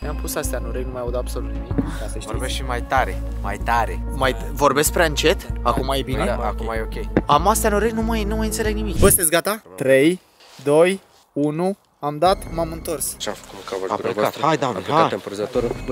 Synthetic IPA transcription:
mampusast̪eanuɾeɡnumajawud̪ab̥so̞lut̪nimikk̪ast̪eʃvoɾbesʃimajt̪aɾḛ | majt̪aɾemaj | vo̞rbe̞sk̚pɾeaɨnt͡ʃe̞t̪akumajebineakumajeokʲejamast̪ejanuɾeɡnumajnumajɨnt̪se̞le̞ɡnimikbəst̪esɡat̪at̪ɾe̞j | d̪o̞j | unu | amd̪at̪mamɨnt̪o̞rsʃakumkavoa̰ɾovt̪hajd̪aaat̪empəɾzət̪oɾə

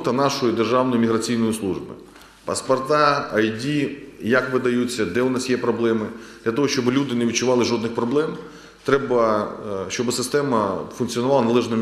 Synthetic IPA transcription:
t̪ɐnɑʃɔjid̪erʒɑwnɔjʊmʲiɦɾɐt͡sʲijnɔjʊslˠuʒbɪ̰ | pɐspɔrt̪ɑɐjdʲijakʋɪd̪ɐjut͡sʲːɐd̪ɛʊnɑsjɛpɾɔblˠɛmɪd̪̥lʲɐt̪ɔɦɔʃt͡ʃɔbɪlʲud̪ɪneʋʲit͡ʃʊʋɑlˠɪʒɔd̪nɪxpɾɔblˠɛm | t̪ɾɛbɐʃt͡ʃɔbɪsɪst̪ɛmɐfʊnk̪t͡sʲiɔnʊʋɑlˠɐnɐlˠɛʒnɔ

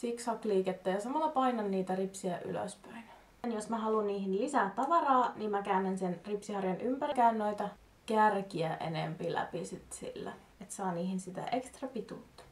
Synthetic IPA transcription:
siksɑkliːket̪ːæjɑsɑmɑlːɑpɑinɑnːiːt̪æripsiæʔy̰lø̰spøin | njosmæɦɑlunniːhinlisæːt̪t̪ːɑʋɑrɑːniːmmækæynænsenripsihɑrjɑnʔympærikæynnoit̪ɑ | kærkiæʔḛnempilæ̰pisit̪sḭlːæ̰ | et̪sɑːniːhinsit̪æ̰ʔekst̪rɑpit̪uːt̪ːɑ̥

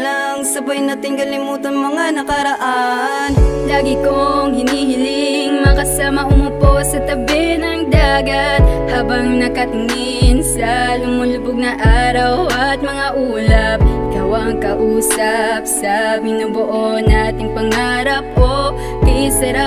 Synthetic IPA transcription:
lɐŋsɐpɐjnaːt̪ɪŋkɐlɪmuːt̪ɐnmɐŋanɐkɐɾɐʔanlaːɡɪkoŋhɪnhiːhɪlɪŋmɐkɐsaːmɐʔʊmʊposɐt̪ɐbɛhnɐŋd̪aːɡɐt̪̚haːbɐŋnɐkɐt̪ŋɪ | nsɐlʊmʊlʊbʊɡ̚nɐʔaːɾɐwɐt̪̚mɐŋaʔuːlɐp̚kawɐŋkɐʔuːsɐp̚sɐmɪnoboʔo̞naaːt̪ɪŋpɐŋhaːɾɐp̚ʔo | kɪɪsɐɾa

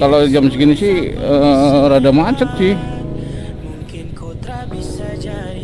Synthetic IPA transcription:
kalod͡ʒamsəkinisɪhəɾadamat͡ʃət̪̚sɪh

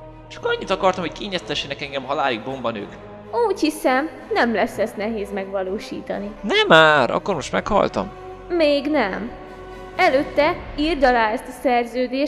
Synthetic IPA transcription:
t͡ʃɒ̥kɒɲːit̪ɒkɒrt̪ɒmhockeːɲɛst̪ɛʃːɛnɛkɛŋɡɛmɦɒlaːliɡ̚bo̞mbɒnø̰ːk | uːchisɛm | nɛmlɛsɛst̪nɛɦeːzmɛɡʋɒloːʃḭːt̪ɒ̰ninɛmaːɾɒ̰kːo̞rmo̞ʃt̪mɛkhɒ̰lt̪ɒ̰m | meːɡnɛm | ɛløːt̪ːɛird̪ɒlaːɛst̪ɒsɛrzøːd̪eː

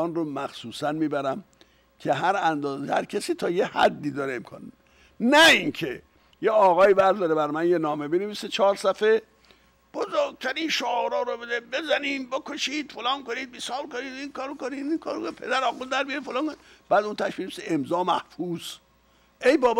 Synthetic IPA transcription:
ɒːnromæxsuːsænmiːbæɾæm | cʰe̞ɦæɾænd̪ɒːzehæ̰ɾkʰesiːt̪ʰɒːjehæ̰d̪ːiːd̪ɒːɾeemkʰɑ̰ːn | næinkʰe | jeɒːɣɒːiːbæɾd̪ɒːɾebæɾmænjenɒːme̞beneviːset͡ʃʰɒːɾsæfe | b̥ozoːɾɡ̚t̪ʰæɾiːnʃoɾɔːɾobed̪ebe̞zæniːmbekʰoʃiːd̪̥folɑːnkoniːd̪̚bisɒːblkoniːd̪iŋkʰɒːɾokonid̪ikʰɑːɾokonipʰed̪æɾɒːɣuld̪æɾbijɾifolɑːŋkonib̥æːd̪unt̪ʰæʃbineiseemzɒːmæhfuːs | ʔejbɒːb

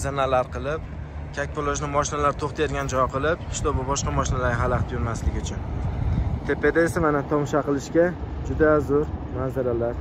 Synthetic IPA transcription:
zanalaɾqʰɨlˠɪp̚ | kʲʰak̚ʲpʰolˠoʒnɪmɒʃɪnalaɾt̪ʰoχt̪ʰeɾɡʲand͡ʒɒqʰɨlˠɪp̚ʰɪ̥ʃt̪ɒbʊbɒʃqɑmɒʃɪnalaɾɦalaqt̪ʰjʊɾmaslɪɡʲɪt͡ʃʰan | t̪ʰe̞pʰe̞d̪eesamanat̪ʰɒmʃaqɨlˠɪʃkʲa | d͡ʒʊd̪azʊɾmazaɾalaɾ

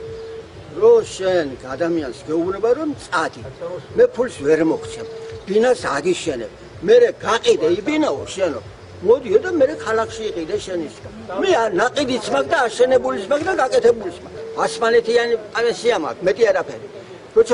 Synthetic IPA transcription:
ɾɔʃɛnɡad̪amiansɡɛubnɛbaɾɔmt̪sʼad̪imɛpʰulsvɛɾmɔkʰt̪sʰɛbb̥inasaɡiʃɛnɛ̰b | mɛɾɛɡaqʼid̪ɛibinaɔʃɛnɔ̰ | mɔd̪iɔd̪amɛɾɛkʰalakʰʃiːqʼid̪ɛʃɛnisɡamɛnaqʼid̪it̪sʰmak̚ʰd̪aːʃɛnɛbulit̪sʰmakʰd̪aɡakʼɛt̪ʰɛbulitsmakasmanɛt̪ʰianipʼaɾɛnsiama̰kʰmɛt̪ʼiaɾapʰɛɾi | ɾɔt̪sʰa

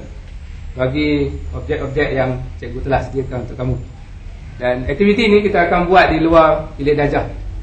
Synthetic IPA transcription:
baɡiɔp̚d͡ʒɛk̪ɔp̚d͡ʒɛt̚jaŋt͡ʃɛʔ̚ɡut̪əlasədiəkanunt̪uʔkamũ | danɛk̚t̪ivit̪inĩkit̪aːkanbuat̪̚diluarilɪʔdad͡ʒa

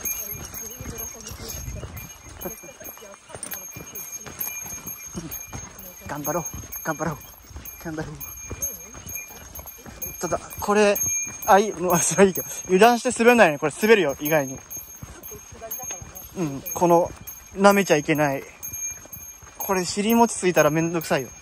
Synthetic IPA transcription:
ɡ̥ãmbaɾoːɡ̥ãmbaɾoː | ɡ̥ãmbaɾɯ | t̪ad̪akʰo̞ɾe̞aimasɨɾaiːkeojɯ̟d̪ãɰ̃ɕi̥t̪e̞sɨbeɯ̃nːajoɲiko̞ɾesɨbe̞ɾɯjoʔiɡaiɲ̟i | ɯ̟̃ɴkʰo̞no̞ | name̞t͡ɕaike̞nai | kʰo̞ɾe̞ɕiɾʲimo̞t͡ɕi̥t͡sɨit̪aɾamẽ̞nd̪okɯ̟saijo̞̰

